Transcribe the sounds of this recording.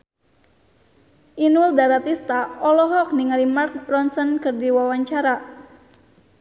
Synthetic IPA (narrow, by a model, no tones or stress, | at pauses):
ʔinuldaɾat̪ist̪aɔlɔɦɔk̚niŋalimarkrɔnsənkɨrdiwawaɲt͡ʃaɾa